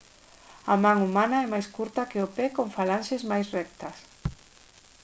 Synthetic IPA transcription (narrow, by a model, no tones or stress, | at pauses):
ɐmaŋumanɐɛmajskuɾt̪ɐkɪopɛkoɱfalanʃɪzmajsrɛk̚t̪ɐs